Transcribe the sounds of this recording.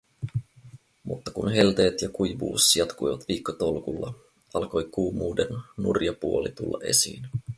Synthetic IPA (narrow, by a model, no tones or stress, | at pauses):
mṵt̪ːɑkunɦe̞lt̪e̞ːt̪jɑkujʋṵːsjɑt̪kujʋɑt̪ʋiːkːot̪olkulːɑ̰ | ɑlko̞jkuːmuːdenːurjɑpuo̞lit̪ulːɑ̰ʔe̞sḭːn